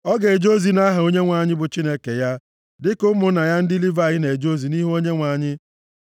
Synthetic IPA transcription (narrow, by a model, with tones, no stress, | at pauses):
ɔ˦ɡe˨d͡ʒo˦zi˨na˦ɦa˨o˦ɲe˦ŋʷa˨ɲɪ˦bʊ˨t͡ʃi˦ne˦ke˨ja˦ | dɪ˦kʊ˦mʊ˨˦na˨ja˦n̩˦dɪ˦li˦va˨ɣɪ˦ne˨d͡ʒo˦zi˨ni˦ɦo˦ɲe˦ŋʷa˨ɲɪ˦